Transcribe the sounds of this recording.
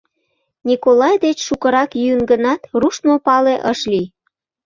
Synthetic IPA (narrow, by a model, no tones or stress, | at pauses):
nʲikolɑjd̪et͡ɕʃukəɾɑkjyənɡənɑt̪ruʃt̪mopɑleʔəʃlij